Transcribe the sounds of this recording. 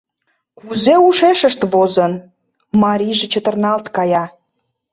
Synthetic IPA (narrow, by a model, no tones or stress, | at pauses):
kuzeuʃeʃəʃt̪βozən | mɑɾʲiʒet͡ɕət̪ə̆rnɑlt̪kɑjɑ